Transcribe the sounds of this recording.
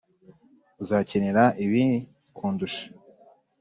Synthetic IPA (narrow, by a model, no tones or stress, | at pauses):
uzaːceneɾaʔiβi | kʰuːnduʃḁ